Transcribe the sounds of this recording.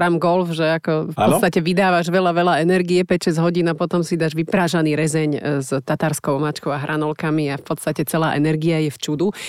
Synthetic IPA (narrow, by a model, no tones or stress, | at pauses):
ɾamɡɔlfʒɛakɔfpɔt͡sst̪acɛʋid̪aːʋaʒʋɛlaʋɛlaɛnɛɾɡiɛpɛcʃɛzɦɔɟiːnapɔt̪ɔmsid̪aːʒʋipɾaːʒaniːɾɛzɛɲzt̪at̪aɾskɔʊmat͡ʃkɔʊaɦɾʔanɔlkamiafpɔt̪st̪acɛt͡sɛlaːʔɛnɛɾɡiajɛft͡ʃud̪u